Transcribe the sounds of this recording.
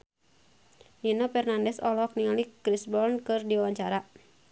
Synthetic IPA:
inɔpɛrnandɛsɔlɔk̚niŋalikɾisbɔlnkɨrdiwawaɲt͡ʃaɾa

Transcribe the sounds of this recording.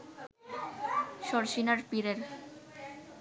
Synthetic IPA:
ʃɔɾʃinaɾpiɾeɾ

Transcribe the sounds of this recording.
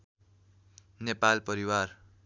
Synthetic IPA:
nepalpʌɾiwar

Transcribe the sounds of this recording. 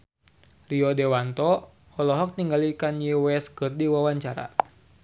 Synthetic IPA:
riɔdewant̪ɔ | ɔlɔɦɔk̚niŋɡalikanjewɛskɨrdiwawaɲt͡ʃaɾa̰

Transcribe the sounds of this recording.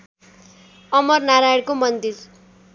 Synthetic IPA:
ʌmʌrnaɾaɽkomʌnd̪ir

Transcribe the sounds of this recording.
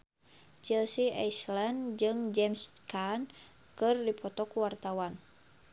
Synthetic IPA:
t͡ʃilsiʔajslandd͡ʒɨŋd͡ʒɛmskan | kɨrdipɔt̪ɔkuwart̪awan

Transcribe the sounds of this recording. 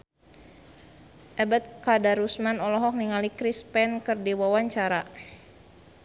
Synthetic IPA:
ʔɛbat̪̚kadaɾusmanɔlɔɦɔk̚niŋalikɾispɛnkərdiwawaɲt͡ʃaɾa

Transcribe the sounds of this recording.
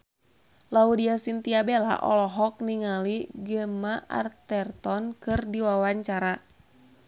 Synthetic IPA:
laudiasint̪iabela̰ʔɔ̰lɔɦɔk̚niŋaliɡəmaʔa̰rt̪ɛrt̪ɔnkɨrdiwawaɲt͡ʃaɾa

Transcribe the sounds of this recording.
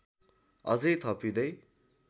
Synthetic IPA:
ʌ̰d͡zʌjt̪ʰʌpid̪ʌj

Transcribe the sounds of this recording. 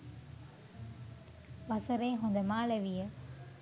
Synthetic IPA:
ʋɐsɐɾeɦɔnd̪ɐmaːlɐʋɪjɐ

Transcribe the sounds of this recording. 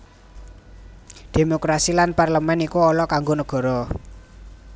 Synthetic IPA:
d̪̥e̤mokɾasilanparləmɛnikuɔlɔkaŋɡonəɡ̥ɔ̤ɾɔ

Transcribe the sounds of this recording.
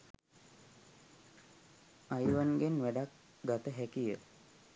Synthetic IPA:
ajʋanɡenʋæɖak | ɡat̪əɦækijə

